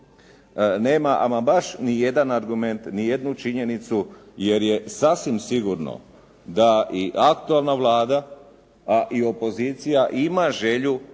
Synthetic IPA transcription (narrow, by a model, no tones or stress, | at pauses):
ne̞ːmaʔa̰mabaʃnije̞d̪anaɾɡume̞nt̪nije̞d̪nut͡ʃiɲe̞nit̪suje̞ɾje̞sasʋimsiɡuɾno̰ | d̪aʔiʔakt̪ualˠnaʋlaːd̪aː | ʔio̞po̞ziːt̪sijaʔimaʒe̞ʎu